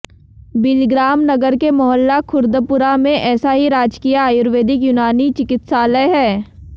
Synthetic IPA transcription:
bɪlɡɾaːmnɐɡəɾkemɔɦəlːakʰʊɾd̪əpʊɾamẽʔɛːsaɦiɾaːd͡ʒkijaːjʊɾʋeːd̪ɪk̬jʊnaːnit͡ʃɪkɪt̪saːləɦɛː

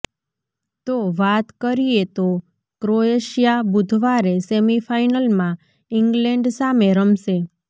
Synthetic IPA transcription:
t̪oʋat̪kəɾiet̪o | kɾoeʃijabud̪ʱʋaɾesemifʰainəlmã | iŋɡlɛ̃ɳɖsameɾəmʃe

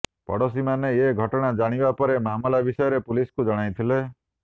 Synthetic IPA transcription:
pɔ̰ɽos̬imaneeɡʱɔʈɔɽ̃ad͡ʒaɽ̃ibapɔɾemaɦmɔlabisɔjɔɾepuliskud͡ʒɔɽ̃ajt̪ʰile

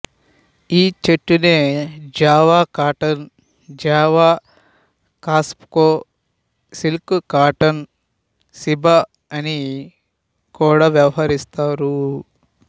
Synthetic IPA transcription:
iːt͡ʃeʈːuneːd͡ʒaːʋaːkaːʈɐn | d͡ʒaːʋaː | kaːspkoː | silkkaːʈɐn | sibɐ | ɐni | kuːɽaːʋjɐʋɐɦɐɾist̪aːɾu

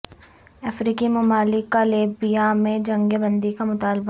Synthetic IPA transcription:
ɐfɾiːkimʊmaːlɪkːaleːbijamẽd͡ʒɐ̃ŋɡebɐ̃nd̪ikamʊt̪aːlba

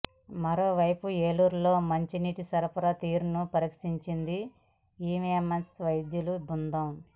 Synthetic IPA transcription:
mɐɾo̞ːʋɐjpueːluːɾlo̞ːmɐɲt͡ʃiniːʈisɐɾɐpɐɾɐt̪iːɾunupɐɾikʂiɲt͡ʃind̪i | iːmiemensʋɐjd̪julubund̪ɐm

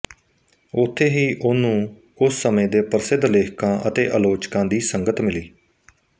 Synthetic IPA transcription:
ʊt̪ʰːeːɦiːʔʊnũː | kʊsːəmẽːd̪eːpəɾəsɪd̪leːkʰkãːʔə̰t̪ḛːʔəloːt͡ʃkãːd̪iːsəŋɡət̪mɪliː

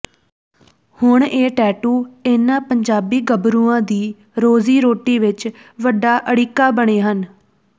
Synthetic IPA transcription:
hʊɳeːʈɛːʈuːɪnãːpəɲd͡ʒaːbiːɡəbɾuːãːd̪iː | ɾoːziːɾoːʈiːʋɪt͡ʃ | ʋəɖaːʔəɽiːkːaːbəɽ̃eːɦən

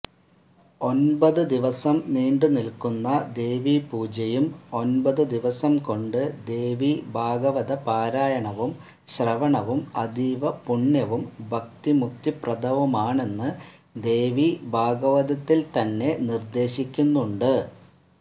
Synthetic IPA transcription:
o̞nbɐðɨd̪iʋɐsɐmniːɳɖɨnilkunːɐd̪e̞ːʋipuːd͡ʑɐjumo̞nbɐðɨd̪iʋɐsɐmko̞ɳɖɨd̪e̞ːʋibʱaːɡɐʋɐðɐpaːɾaːjɐɳɐʋum | ɕrɐʋɐɳɐʋumɐd̪ʱiːʋɐpuɳːjɐʋumbʱɐk̚t̪imukt̪iprɐd̪ʱɐʋɐmaːɳe̞nːɨ | d̪e̞ːʋibʱaːɡɐʋɐðɐt̪ːilt̪ɐnːe̞nird̪e̞ːɕikʲːunːuɳɖɨ

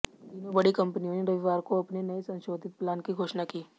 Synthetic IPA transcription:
d̪iːnõbɐɽikɐ̃mpnijõːneɾɐʋiʋaːɾkoɐpnenɐesɐ̃nʃoːd̪ʱɪt̪̚plaːnkiɡʱoːʃnakiː

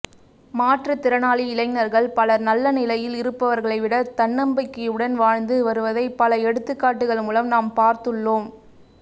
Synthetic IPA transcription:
maːʈrɐt̪ɪɾɐnaːliɪlɐɪŋnɐɾɣɐɭpɐlɐnɐlːɐnɪlɐjɪlɪɾɯpːɐʋɐɾɣɐɭɐɪʋɪɽɐt̪ɐɳːɐmbɐɪkːɯjɯɽɐnʋaːɻnd̪ɯʋɐɾɯʋɐðɐɪpɐlɐɛɽɯt̪ːɯkːaːʈːɯɣɐɭmuːlɐmnaːmpaːɾt̪ɯɭːoːm

